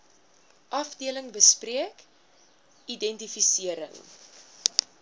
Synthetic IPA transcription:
ʔɐfdiələŋbəspriək | idɛntifisiəɾə̰ŋ

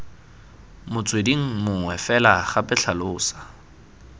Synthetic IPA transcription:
mʊt͡sʼwediŋ̩mʊŋwɛfɛlaχapʼɪɬʰalʊːsḁ

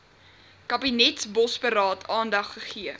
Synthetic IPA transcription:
kɐbinɛtsbɔspəɾɑːtʰɑːndɐχːəχiə

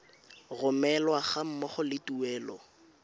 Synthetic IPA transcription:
rʊmɛlwaχam̩mɔχɔlɪtuɛːlɔ

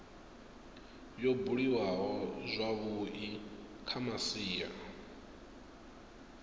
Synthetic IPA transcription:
jɔbuɺiwaɦɔzʷaβui | kʰamasiːja̰

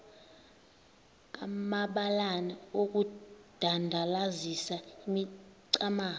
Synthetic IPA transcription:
a̰maɓalanaok̬ud̥ʱandʱalazisaimiǀamaː

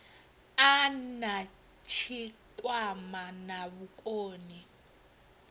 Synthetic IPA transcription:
ana | t͡ʃʰikʼwamanaβukʼoːni

